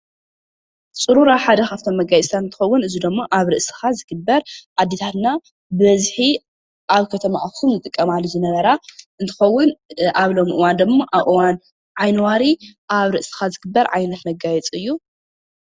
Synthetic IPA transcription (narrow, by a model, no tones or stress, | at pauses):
t͡sʼɨɾuɾaħad̪ɐxaft̪ʰo̞mːɐɡajɛt͡sʼt̪ʰat̪ɨnt̪ʰɨ̥xɐwːʊnɨzid̪ɨmːoʔaβɾɨʔsɨ̥xazɨɡ̥ɨbːɐɾʕad̪ːet̪ʰat̪na | bɨβɐzħi | ʔaβkʰɐt̪ʰɐmaʔakʰumzɨt̪ʼɨkʼːɐmalːuzɨnɐβɐɾaɨnt̪ʰɨ̥xɐwːʊnʔaβlo̞mʔɨwand̪ɨmːaʔaβʔɨwan | ʕajnwaɾiʔaβɾɨʔsɨ̥xazɨɡɨbːɐɾʕajnɐt̪nɐɡajɛt͡sʼɨjːu